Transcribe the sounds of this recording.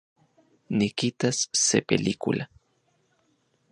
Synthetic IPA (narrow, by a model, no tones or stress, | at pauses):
nikit̪asːḛpḛlikṵla